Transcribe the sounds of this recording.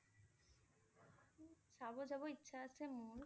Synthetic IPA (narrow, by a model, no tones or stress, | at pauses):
ʃabod͡ʑaboitːɕʰaat͡ɕʰemun